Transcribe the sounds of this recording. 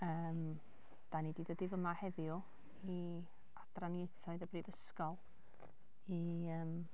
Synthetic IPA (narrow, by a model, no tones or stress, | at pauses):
əːm | d̥anididədɪvəmahɛðjʊ | i | ad̥ranjejθɔɨðəbriːvəskɔlˠ | iəːm